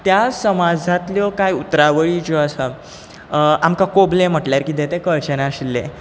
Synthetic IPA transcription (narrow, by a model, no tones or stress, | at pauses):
t̪jasəmad͡zʱãt̪ljɔkajut̪ɾaʋəɭid͡ʑɔəsə | amkakoblem̤əʈljaɾkid̪ẽt̪ekəɭt͡ɕənaɕilːḛ̃